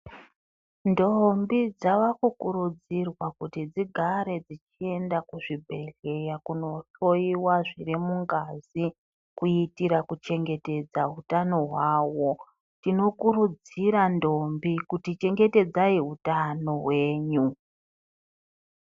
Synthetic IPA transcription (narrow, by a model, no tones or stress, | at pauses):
ndo̞mbid͡zaʋakukuɾud͡zirwakutid͡ziɡʱaɾe̞d͡zit͡ʃie̞ndakuʐibʱe̞ɮe̞jakuno̞ʃo̞iwaʐirimuŋɡazi | kuitiɾakut͡ʃe̞ŋɡe̞te̞d͡zaɦutano̞ɦwaːwo̞ | tino̞kuɾud͡ziɾando̞mbikutit͡ʃe̞ŋɡe̞te̞d͡zaiɦutano̞ɦwe̞ːɲu